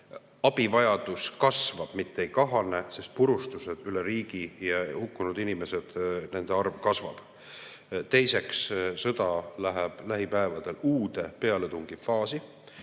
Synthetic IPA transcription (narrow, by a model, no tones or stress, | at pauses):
ɑb̥ivɑjɑd̪̥uskɑsvɑb̥mit̪ˑːejkɑɦɑnese̞st̪̚puɾust̪use̞d̪̥yleɾiːɡ̥ijɑhukːunud̪̥inime̞se̞d̪̥ne̞nd̪eɑrvkɑsvɑ̰b̥ | t̪e̞jse̞kssɤ̞d̪̥ɑlæɦeb̥læɦipæevɑd̪̥e̞luːd̪e̞pe̞ɑle̞t̪uŋɡ̥ifɑːsi